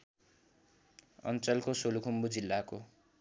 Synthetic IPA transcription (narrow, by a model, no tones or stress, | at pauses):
ʌ̰nt͡sʌlkosolukʰumbud͡zilːako